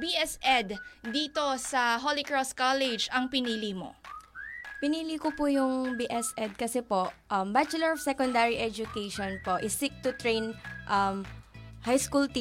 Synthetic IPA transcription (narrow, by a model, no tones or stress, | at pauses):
biʔɛsʔɛd̪d̪iːt̪o̞sɐɦolɪkɹɔst̪̚kalɛd͡ʒɐŋpɪniːlimo̰ | pɪniːlikʊpujʊŋbiʔɛsʔɛd̪̚kɐsɛpo̞ʔʔɐmbat͡ʃʊlɛɹɔfsɛkɔnd̪aɹiʔɛd͡ʒʊkejʃɔnpoʔɪsɪk̚t̪ʊt̪ɹejnʔɐmhajskult̪i